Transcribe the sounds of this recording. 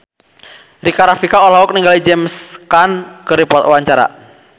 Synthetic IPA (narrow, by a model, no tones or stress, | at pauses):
rikaɾafikaɔlaʊk̚niŋɡalid͡ʒɛmskankəɾipɔt̪waɲt͡ʃaɾa̰